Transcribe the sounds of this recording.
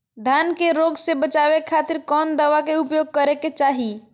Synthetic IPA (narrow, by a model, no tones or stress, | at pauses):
d̪ʱankeɾoɡsebət͡ʃaβekʰːat̪iɾkɔnd̪əʋakeupjoɡ̚kəɾeket͡ʃaɦi